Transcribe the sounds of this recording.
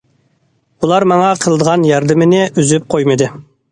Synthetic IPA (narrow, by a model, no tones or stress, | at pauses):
ulˠɑɾmɑŋɑqʰəlˠd̪əʁɑnjɑɾd̪ɨmɪnɪʔyzyp̚qʰojmɨd̪ɨ